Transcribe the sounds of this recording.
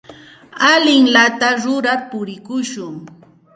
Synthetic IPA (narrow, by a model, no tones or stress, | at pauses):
alɪŋlat̪aɾʊɾaɾpʊɾɪkʊʃʊŋ